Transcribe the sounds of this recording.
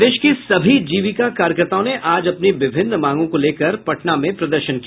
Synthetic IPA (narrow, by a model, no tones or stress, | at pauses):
d̪eːʃkisɐbʱid͡ʒiːʋɪkakaːɾjəkəɾt̪aːõneʔaːd͡ʒɐpniʋɪbʱɪnːmãːŋɡõkoleːkɐɾpɐʈnamẽpɾɐd̪əɾʃənkia